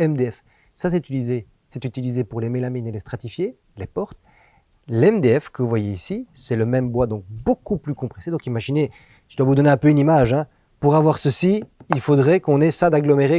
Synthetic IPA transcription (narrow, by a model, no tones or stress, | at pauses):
ɛmd̪eɛf | sas̬ɛt̪yt̪ilize | sɛt̪yt̪ilizepuʁlemelaminelest̪χat̪ifje | lepɔʁt̪ | lɛmd̪eɛfkəvuvwajeisisɛləmɛmbwad̪ɔ̃k̚bokuplykɔ̃pχɛsed̪ɔ̃kimaʒine | id̪wavud̪ɔneɛ̃pøynimaʒɛ̃ | puʁavwaʁsəsiilfod̪ʁɛkɔ̃nɛsãd̪aɡlɔmeʁe